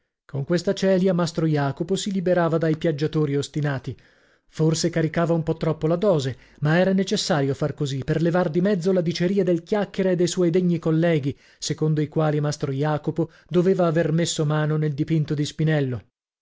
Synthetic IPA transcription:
koŋkwest̪at͡ʃɛːljamast̪ɾojaːkoposilibeɾaːvad̪ajpjad͡ʒːat̪oːɾiost̪inaːt̪i | forsekaɾikaːvaumpɔt̪ːɾɔpːolad̪ɔːze | maɛːɾanet͡ʃesːaːɾjofarkoziperlevard̪imɛd̪zːolad̪it͡ʃeɾiːad̪elkjakːeɾaed̪ːejswɔjd̪eɲːikolːɛːɡi | sekond̪oikwaːlimast̪ɾojaːkopo | d̪oveːvaːvermesːomaːnoneld̪ipint̪od̪ispinɛlːo

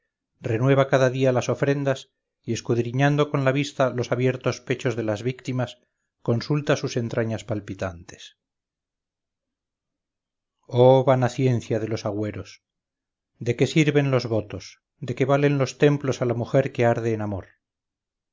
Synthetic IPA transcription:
re̞nwe̞β̞akaðaðialaso̞fɾe̞nd̪as | ie̞skuðɾiɲand̪o̞ko̞nlaβ̞ist̪alo̞saβje̞ɾt̪o̞spe̞t͡ʃo̞zðe̞lazβikt̪imas | ko̞nsult̪asuse̞nt̪ɾʔaɲaspalpit̪ant̪e̥s | oβanaθje̞nθjaðe̞lo̞saɣwe̞ɾo̞s | d̪e̞ke̞siɾβe̞nlo̞zβo̞t̪o̞s | d̪e̞ke̞βale̞nlo̞st̪e̞mplo̞salamuxe̞ɾke̞aɾðeːnamo̞ɾ

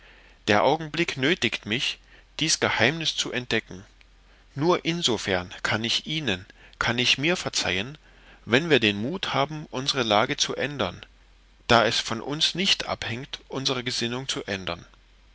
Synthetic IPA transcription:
d̥eːɐʔaʊɡŋ̩blɪknøːtɪktmɪçd̥iːsɡ̥əhaɪmnɪst͡suʔɛnt̚d̥ɛkŋ̩ | nuːɐʔɪnzofɛɐnkʰanɪçʔiːnənkʰanɪçmiːɐfɛɐt͡sa̰ɪən | vɛnviːɐdeːnmuːthaːbm̩ʔʊnzəʁəlaːɡət͡suʔɛndɐn | d̥aːɛsfɔnʔʊ̰nsnɪçtʔa̰phɛŋktʔʊnzəʁ̞əɡəzɪnʊŋt͡suʔɛndɐn

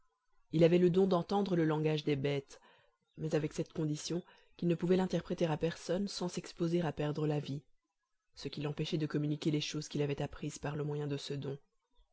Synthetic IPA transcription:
ilavɛləd̪ɔ̃d̪ɑ̃t̪ɑ̃d̪ʁələlɑ̃ɡaʒd̪ebɛt̪ | mɛzavɛksɛt̪kɔ̃d̪isjɔ̃ | kʲilnəpuvɛlɛ̃t̪ɛʁpχet̪eʁapɛʁsɔnsɑ̃sɛkspozeʁapɛʁd̪ʁəlavi | səkʲilɑ̃pɛʃɛd̪əkɔmynikʲeleʃoz̥kʲilavɛt̪apχiz̥paʁləmwajɛ̃d̪əsəd̪ɔ̃

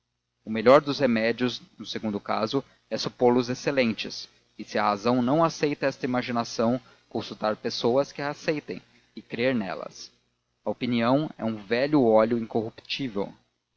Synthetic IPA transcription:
ʊmeʎɔɾd̪ʊshemɛd͡ʒiʊznʊseɡũnd̪ʊkazʊ | ɛsupolʊzeselẽnt͡ʃɪs | ɪsɪɐhazɐ̃w̃nɐ̃w̃asejt̪ɐɛst̪ɐimaʒinasɐ̃w̃ | kõsut̪aɾpesowɐskɪasejt̪ḛ̃j̃ | ɪkɾeɾnɛ̰lɐ̰s | ɐopiniɐ̃w̃ɛ̰ũvɛʎʊɔlʊĩkohupi̥t͡ʃivew

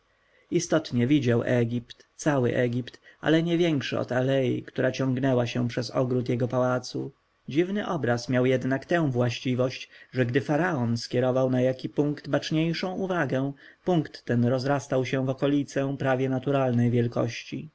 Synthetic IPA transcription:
ist̪ɔt̪ɲɛvʲid͡ʑawʔɛɡʲipt̪t̪sawɘ̰ʔɛɡʲipt̪ʔa̰lɛɲɛvʲjɛŋkʂɘ̰ɔ̰t̪alɛjḭkt̪uɾat͡ɕɔ̃ŋɡnɛwaɕɛ̃pʂɛzɔɡɾut̪jɛɡɔpawat̪sṵ | d͡ʑivnɘʔɔbɾasmʲjawjɛd̪nakt̪ɛ̃w̃vwaɕt͡ɕivɔɕt͡ɕʐɛɡd̪ɘfaɾaɔnskʲjɛɾɔvawnajakʲipuŋkt̪bat͡ʂɲejʂɔ̃w̃uvaɡɛ̃puŋkt̪ːɛnɾɔzɾast̪awɕɛ̃vɔkɔlʲit̪sɛpɾavʲjɛnat̪uɾalnɛjvʲjɛlkɔ̰ɕt͡ɕḭ

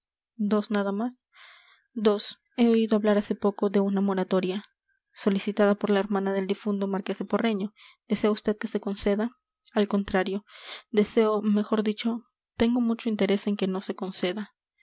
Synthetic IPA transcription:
d̪o̞snaðamas | d̪o̞s | e̞o̞iðoaβlaɾase̞po̞ko̞ðe̞unamo̞ɾat̪o̞ɾja | so̞lisit̪aðapo̞ɾlae̞ɾmãnaðe̞ld̪ifund̪o̞maɾke̞sepo̞re̞ɲo̞d̪̥e̞se̞aust̪e̞ð̚ke̞se̞ko̞nse̞ða | alko̞nt̪ɾaɾjo̞d̪e̞se̞ome̞xo̞ɾðit͡ʃo̞ | t̪e̞ŋɡo̞mut͡ʃo̞int̪e̞ɾe̞se̞ŋke̞no̞se̞ko̞nse̞ða

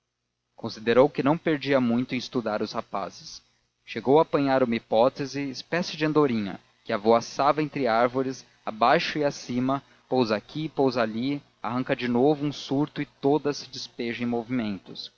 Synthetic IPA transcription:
kõsid̪eɾowkɪnɐ̃w̃peɾd͡ʒiɐmũj̃t̪ʊẽɪst̪ud̪aɾʊshapa̰zɪs | ʃeɡowaːpɐ̃ɲaɾʊ̃mɐipɔt̪ezɪːspɛsɪd͡ʒɪɐ̃nd̪oɾĩɲɐ̰ | kɪavoasavɐẽnt̪ɾɪaɾvoɾɪs | abajʃʊiasĩmɐ | powzakʰiːpowzali | a̰ɦɐ̃ŋkɐd͡ʒɪnovʊũsuɾt̪ʊɪt̪od̪ɐsɪd͡ʒɪspeʒɐẽj̃movimẽnt̪ʊs

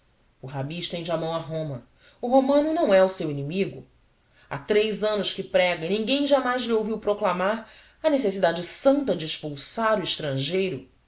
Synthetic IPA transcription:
ʊɦabĩʃt̪ẽj̃d͡ʒɪamɐ̃w̃ɐɦõmɐ | ʊɦomɐ̃nʊnɐ̃w̃ɛʊsewinimiɡʊ | a̰t̪ɾejzɐ̃nʊʃkɪpɾɛɡɐinĩŋɡẽj̃ʒamajzlɪowviwpɾoklamaɾ | ɐnesesid̪ad͡ʒɪsɐ̃nt̪ɐd͡ʒɪːʃpuwsaɾʊɪʃt̪ɾɐ̃ʒejɾʊ

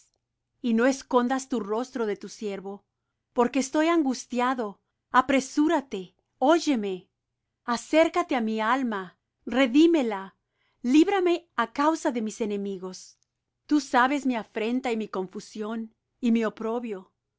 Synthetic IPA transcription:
ino̞esko̞nd̪ast̪uro̞st̪ɾo̞ðe̞t̪usje̞ɾβo̞ | po̞ɾkeːst̪o̞jaŋɡust̪jaðo̞ | apɾe̞suɾat̪e̞ | o̞ʝe̞me̞ | ase̞ɾkat̪e̞amialma | re̞ðime̞la | liβɾame̞akawsaðe̞mise̞ne̞miɣo̞s | t̪usaβe̞smiafɾe̞nt̪aimiko̞ɱfusjo̞n | imio̞pɾo̞βjo̞

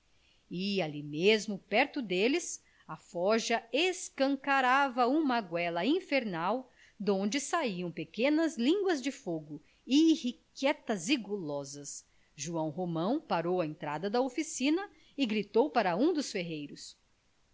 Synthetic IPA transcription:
ɪalimezmʊpɛɾt̪ʊd̪elɪs | ɐfɔʒɐeskɐ̃ŋkaɾavɐũmɐɡwɛlɐĩfeɾnaw | d̪õd͡ʒɪsaiɐ̃w̃pekẽnɐzlĩŋɡwɐzd͡ʒɪfoɡʊ | ɪːhikɛt̪ɐziɡolɔzɐs | ʒuɐ̃w̃ɦomɐ̃w̃paɾowɐẽnt̪ɾad̪ɐd̪ɐofisĩnɐ | ɪɡɾit̪owpaɾɐũd̪ʊsfeɦejɾʊs

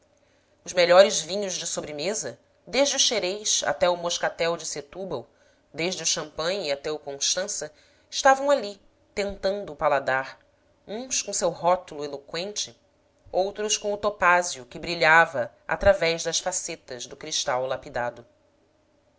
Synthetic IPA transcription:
ʊzmeʎɔɾɪzvĩɲʊʒd͡ʒɪsobɾɪmezɐ | d̪eʒd͡ʒɪʊʃeɾejʃa̰t̪ɛʊmoʃkat̪ɛwd͡ʒɪset̪ubɐw | d̪eʒd͡ʒɪʊʃɐ̃mpɐ̃j̃iat̪ɛʊkõʃt̪ɐ̃sɐ | ɪʃt̪avɐ̃w̃ali | t̪ẽnt̪ɐ̃nd̪ʊːpalad̪aɾ | ũskõsewɦɔt̪ulʊelokwẽnt͡ʃɪ | owt̪ɾʊskõw̃ʊt̪opaziʊkɪbɾiʎavɐ | a̰t̪ɾavɛʒd̪ɐʃfaset̪ɐzd̪ʊkɾiʃt̪awlapid̪ad̪ʊ

